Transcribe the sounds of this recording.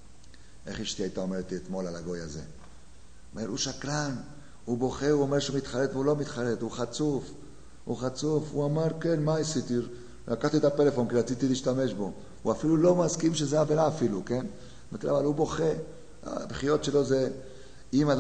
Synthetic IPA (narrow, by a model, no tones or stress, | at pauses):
ʔeχiʃt̪iajt̪aomeʁt̪iet̪mo̞lalaɡo̞jaze̞̰ | ome̞ɾuʃaklan | hubo̞χeuome̞ʁʃumit̪χalet̪veulo̞mit̪χalet̪huχat͡suf | huχat͡sufuamaʁke̞nmaisit̪i | lakaχt̪iet̪apele̞fo̞nkiʁat͡sit̪iliːʃt̪ame̞ʃbo̞ | uafilulo̞maskimʃezeavelaːfiluke̞n | mat̪iɾavalubo̞χe | a̰bχijot̪ʃe̞lo̞ze | imad